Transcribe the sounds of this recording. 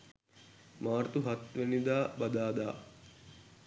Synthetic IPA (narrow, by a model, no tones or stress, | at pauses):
maːɾt̪uɦɐt̪ʋenid̪aːbɐd̪aːd̪aː